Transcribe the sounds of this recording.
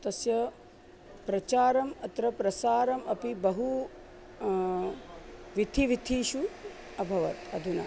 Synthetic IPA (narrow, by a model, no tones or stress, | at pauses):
t̪ɐsjɐ | pɾɐt͡ʃaːɾɐmɐt̪ɾɐpɾɐsaːɾɐmɐpibɐɦu | ʋid̪ʰʱiʋid̪ʰʱiːʃu | ɐbʱɐʋɐ̰t̪ɐd̪ʱunɐ̰